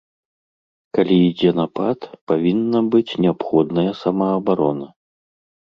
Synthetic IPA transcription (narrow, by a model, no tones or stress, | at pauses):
kalʲiid͡zʲɛnɐpat̪pavʲinːɐbɨt͡sʲnʲɛapxɔd̪nɐjɐsɐmɐːbaɾɔnɐ